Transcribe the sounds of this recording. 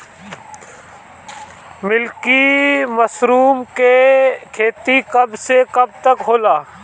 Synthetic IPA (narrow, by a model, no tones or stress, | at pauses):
mɪlkimɐsɾuːmkekʰeːt̪ikɐbsekɐb̚t̪ɐkɦoːlaː